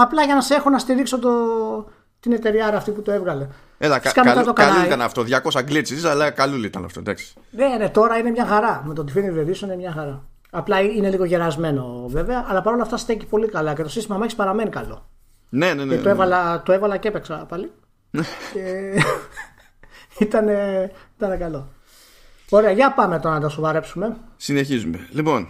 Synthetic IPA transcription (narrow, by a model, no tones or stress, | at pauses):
ɐplɐʝɐnɐse̞xonɐst̪iɾikso̞t̪o | t̪ine̞t̪e̞ɾiɐɾɐːft̪iput̪oevɣɐle̞ | elɐkɐnt̪ɐt̪okɐlt̪ɐnɐft̪o̞ðʝɐko̞sɐɡlit͡sisɐlɐkalulit̪ɐnɐ̰ft̪od̪ɐ̰ksi̥ | nene̞t̪o̞ɾɐine̞mɲɐxɐɾɐmet̪ot̪ifiniveðisoninemɲɐxɐɾɐː | plɐiine̞liɣo̞ʝeɾɐzme̞no̞ve̞veɐʔːlɐpɐɾo̞lɐft̪ɐst̪eci̥po̞likɐlɐce̞t̪osist̪imɐmɐçispɐɾɐme̞nikɐlo̞̰ | nenenet̪oevɐlɐt̪oe̞vɐlɐceepeksɐpɐli | nece | it̪ɐne̞it̪ɐnekɐlo̞ | o̞ɾeɐʝɐpɐme̞t̪o̞ɾɐnɐt̪ɐsovɐɾe̞psume̞sineçizumelipo̞n